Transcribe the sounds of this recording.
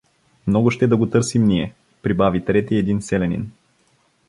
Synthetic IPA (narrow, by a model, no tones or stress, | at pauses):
mnɔɡʊʃt̪ɛd̪ɐɡot̪ɤɾsimniɛ | pɾibavit̪ɾɛt̪iɛd̪insɛlɛnḭn